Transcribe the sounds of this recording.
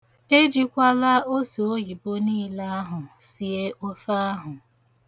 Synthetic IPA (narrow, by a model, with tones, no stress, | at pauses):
e˦d͡ʒi˦kʷa˦la˦o˦so˨o˦ɣi˨bo˦niː˦la˦a˦ɦʊ˨si˨e˦ʔo˦fa˦a˦ɦʊ˨